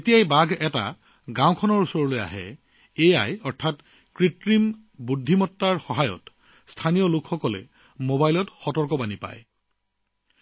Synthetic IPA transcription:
etijajbaɡɛta̰ | ɡãw̃kʰɔnɔɹusɔɹɔloja̰ɦɛ̰ | ejajɔɹtʰat | kɹitɹim | budʱːimɔtːaɹxɔɦajɔ̰t | stʰanijɔlukʰxɔkɔlɛ̰ | mobajlɔtxɔtɔɹkɔbanipa̰j

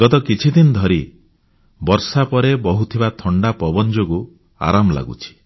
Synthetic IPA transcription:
ɡɔt̪ɔkit͡ʃʰid̪inɔd̪ʱɔɾi | bɔɾsapɔɾebɔɦut̪ʰibat̪ʰɔɳɖapɔbɔnd͡ʒoɡu | a̰ɾamɔla̰ɡṵt͡ʃʰi̥

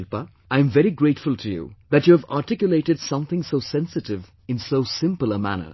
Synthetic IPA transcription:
lpa | ʔãɪɨ̃ɱvɛɾiɡɹeɪtfʊlˠtʰɨjṵðætjuævaːtɪkjʊleɪɾɨdsʌ̃mθɪ̃ŋsoʊsɛ̃nsɨtɪv | ɨ̃nsoʊsɪ̃mpl̩ˠəmæ̰nə̰

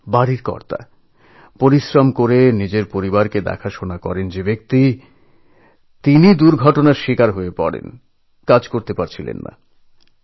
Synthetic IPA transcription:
baɾiɾkɔ̰ɾt̪a̰ | poɾiʃɾamkoɾenid͡ʑeɾpoɾibaɾked̪ɛ̰kʰaʃonakɔ̰ɾend͡ʑebek̚t̪i | t̪inid̪uɾɡʱɔʈonaɾʃikaɾɦoepɔɾḛn | kad͡ʑkoɾt̪epaɾt͡ɕʰilḛnːa̰

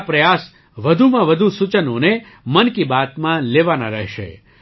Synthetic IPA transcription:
pɾəjas | ʋəd̪ʱumãʋəd̪ʱusut͡ʃənone | mənkibat̪mãleʋana̰ɾəɦʃḛ

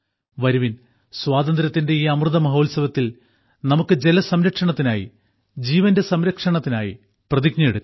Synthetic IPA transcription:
ʋɐɾuʋin | swaːd̪ɐnd̪ɾɐt̪ːinde̞iːɐmrɨðɐmɐɦo̞ːlsɐʋɐt̪ːil | nɐmukːɨd͡ʑe̞lɐsɐmɾɐkʂɐɳɐt̪ːinaːjḭ | d͡ʑiːʋɐnde̞sɐmɾɐkʂɐɳɐt̪ːina̰ːjḭ | prɐðik̚ɲɐeɽu

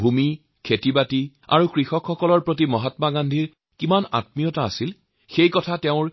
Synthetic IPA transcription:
bʱumi | kʰetibati | a̰ɹukɹixɔkxɔkɔlɔɹpɹot̬imɔɦatmaɡandʱiɹ | kimana̰tmijɔtaːsil | xejkɔtʰatɛʊ̃ɹ

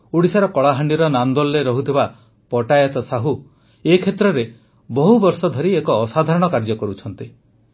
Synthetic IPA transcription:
uɽisaɾɔkɔɭaɦaɳɖiɾɔnand̪ɔlːeɾɔɦut̪ʰiba | pɔʈajɔt̪ɔsaɦu | ekʰet̪ɾɔɾe | bɔɦubɔɾsɔd̪ʱɔɾiekɔːsad̪ʱaɾɔɽ̃ɔkaɾd͡ʒɔkɔɾut͡ʃʰɔnt̪i

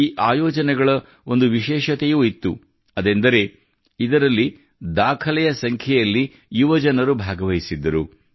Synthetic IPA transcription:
iːʔaːjɔːd͡ʒɐnɛɡɐɭɐ | o̞nd̪uʋiʃɛːʃɐt̪ejuːit̪ːu | ɐd̪end̪ɐɾe̞ | id̪ɐɾɐlːi | d̪aːkʰɐlɛjɐsɐŋkʰjɛjɐlːi | juʋɐd͡ʒɐnɐɾubʱaːɡɐʋɐjisid̪ːɐɾu

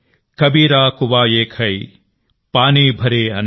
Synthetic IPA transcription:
kɐbiːɾaːkʊʋaːeːkʰhɐi | paːniːbʱɐɾeːɐn

